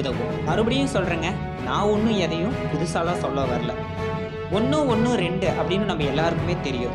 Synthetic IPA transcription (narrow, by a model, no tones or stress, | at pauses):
ðɐʋʊ̰̃ | ɐɾɯpɐɽɪjʊ̃sɔlriːŋɡɐ | nãːɔnːɯ̃ɛðɐjʊ̃pʊðɯsaːlãːsɔlːɐʋɐːɾɐlɐ | ɔnːɯ̃ɔnːɯ̃ɾɛɳɖɯʔɐpːɐɽɪnːɯnɐmːɐɛlːaːɾɯkɯmeːt̪ɛɾɪjʊ̰̃